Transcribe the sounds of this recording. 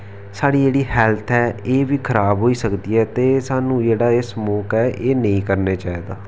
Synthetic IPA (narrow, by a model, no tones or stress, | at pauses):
saːɽiːd͡ʒeːɽiːhɛːlt̪ʰɛːeːʋiːkʰəɾaːbɦoːiːsəkd̪iːɛːt̪eːsaːnũːd͡ʒeːɽaːɪsmoːkɛːʔeːnəĩːkəɾneːt͡ʃaːiːd̪aː